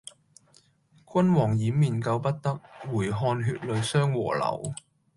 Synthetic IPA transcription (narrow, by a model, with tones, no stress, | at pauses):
kʷɐ˥nwɔː˨˩ŋjiː˨˥miː˨˩nkɐ˧wpɐ˥t̚t̪ɐ˥k̚wuː˨˩jɦɔː˧nɦyː˧t̚lɵ˨˧ɥsœː˥ŋwɔ̰ː˨˩lɐ̰˨˩w